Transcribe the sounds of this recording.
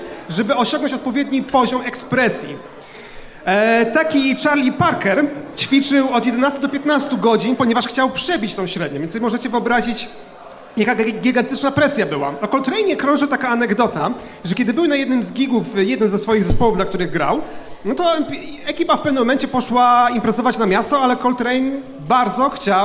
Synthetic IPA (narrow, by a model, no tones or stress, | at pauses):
ʐɛbɘɔɕɔ̃ŋɡnɔ̃ɲt͡ɕɔt̪̚pɔvʲjɛd̪ɲipɔʑɔmɛkspɾɛsʲjḭ | t̪akʲit͡ʂaɾlʲipaɾkɛɾt͡ɕfʲit͡ʂɘwɔd̪jɛd̪ɛnast̪ud̪ɔpʲjɛt̪nast̪uɡɔd͡ʑinpɔɲɛvaʂxt͡ɕawpʂɛbʲit͡ɕt̪ɔ̃w̃ɕɾɛd̪̚ɲɔ̃vjnt̪sɔbʲjɛmɔʐɛt͡ɕɛvɘɔbɾaʑit͡ɕ | jakaɡʲiɡant̪ɘt͡ʂnapɾɛsʲjabɘwa̰ɔkɔlt̪ɾɛjnɛkɾɔ̃ʐɘt̪akaːnɛɡd̪ɔt̪a | ʐɛkʲɛd̪ɘbɘwnajɛd̪nɘmzɡʲiɡufjɛd̪nɘmzɛsfɔjiɣzɛspɔwuvd̪lakt̪uɾɘɣɡɾa̰wnɔt̪ɔ | ɛkʲipafpɛvnɘmːɔmɛnt͡ɕɛpɔʂwaimpɾɛzɔvat͡ɕnamʲjast̪ɔalɛkɔlt̪ɾɛjn | baɾd̪zɔxt͡ɕa